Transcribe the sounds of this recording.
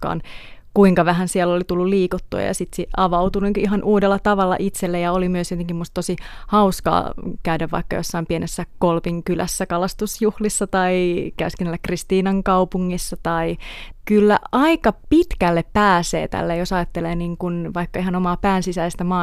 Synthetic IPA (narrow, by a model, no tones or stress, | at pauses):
kɑ̰ːnkuiŋkɑʋæɦænsiɛlːolit̪ulːulliːkut̪ːuɑ̰jɑ̰sit̪siɑʋɑut̪uniŋkiɦɑnʔuːdelːɑt̪ɑʋɑlːɑ̰ʔit̪selːejɑolimyøsjot̪eŋkimːust̪̚t̪osihɑuskɑ̰ːkæydæʋʋɑ̰ikːɑ̰josːɑimpienʔesːækolpiŋkylæ̰sːækɑlɑst̪usjuhlisːɑt̪ɑikæskenælːækrist̪iːnɑŋkɑupuŋːisːɑt̪ɑikylːæ̰ɑikɑpit̪kælːeppæːsḛːt̪æ̰lːejosɑjɑt̪ːeleːniːŋkunʋɑikːɑiɦɑnomɑːpæːnsisæist̪æmɑː